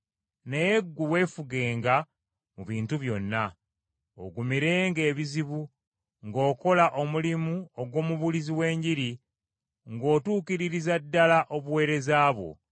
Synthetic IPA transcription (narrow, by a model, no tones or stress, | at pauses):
nejeɡːuwe̞ːfuɡe̞ːŋɡa | muβiːntuβjo̞nːa | o̰ɡumiɾe̞ːŋɡe̞ːβiziβu | ŋɡo̞ːko̞laʔo̞mulimuoɡwo̞ːmuβuliziwe̞ːɲɟiɾi | ŋɡo̞ːtuːkiɾiɾizadːalaʔo̞βuwe̞ːɾe̞zaːβwo̞̰